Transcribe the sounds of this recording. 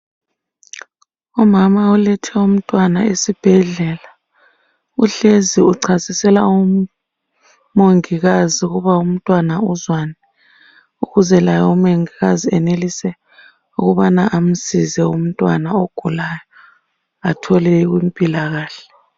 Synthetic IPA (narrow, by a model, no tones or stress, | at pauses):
umamaulɛtʰɛum̩tʼwanaesib̥ʱɛɮɛla | uɬeziuǀʰasisɛlau | moŋiɣaziuɣuβaum̩tʼwanauzwanɛ | uɣuzɛlajɔumoŋiɣaziɛnelisɛ | uɣuβanaʔam̩sizɛum̩tʼwa̰naoɡ̥ʱulajɔ | atʰɔlɛiɣwim̩pʼilaɣaːɬɛ̥